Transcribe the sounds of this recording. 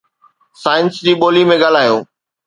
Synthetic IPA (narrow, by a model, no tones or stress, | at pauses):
saːɪnsd͡ʑiːɓoːlimẽɡaːl̤aːjoː